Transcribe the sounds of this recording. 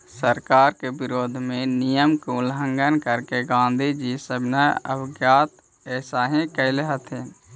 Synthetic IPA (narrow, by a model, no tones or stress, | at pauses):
səɾkaːɾkebɪɾoːd̪ʱmẽnijəmkuʊlɦə̃ŋɡənkəɾkeɡãːnd̪ʱid͡ʒisəbʱnaə̰bʱɡjaːt̪ | ɛːsaːɦĩkəleɦət̪ʰe